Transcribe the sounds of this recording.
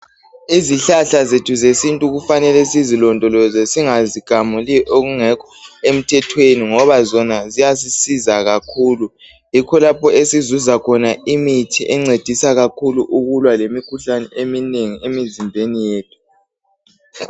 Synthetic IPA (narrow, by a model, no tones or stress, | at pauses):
iziɬaɬazetʰuzesintʼuɣufanɛlɛsizilɔndʱɔlɔzɛsiŋaziɡ̥ʱamuliʔoɣuŋɛkʰɔ̥em̩tʰɛtʰweniŋɔβazɔnazijas̬isizaɣakʰuːlu | jikʰɔlapʰɔesizuzakʰɔnaimitʰiʔɛŋ͡ǀed̥ʱisaɣakʰuluʔuɣulwalemikʰuɬanɛʔemineŋiemizimbʱenijeːt̚ʰu̥